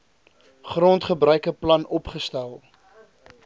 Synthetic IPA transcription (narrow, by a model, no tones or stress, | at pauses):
χrontχəbɾœɥkəplɐnɔpχəstælˠ